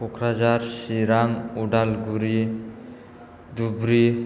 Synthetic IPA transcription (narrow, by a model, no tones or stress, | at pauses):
okʰɾad͡ʒaɾsiɾaŋuɖalɡuɾi | d̪ubɾi